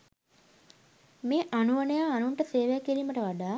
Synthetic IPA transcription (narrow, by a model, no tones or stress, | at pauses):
meːʔanuʋənəjaːnuɳʈəseːʋejakːiɾiːməʈəʋaɖaː